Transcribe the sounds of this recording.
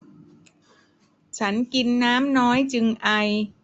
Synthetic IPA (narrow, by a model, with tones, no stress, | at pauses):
t͡ɕʰa˦˥nki˧nːaː˦˥mnɔː˦˥jt͡ɕɯ˧ŋʔa˧j